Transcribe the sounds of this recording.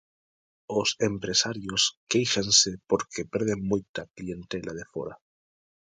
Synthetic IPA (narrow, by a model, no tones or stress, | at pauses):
osempɾesaɾjoskejʃansepoɾkepeɾð̞eŋmujt̪aklient̪elʔað̞efo̰ɾa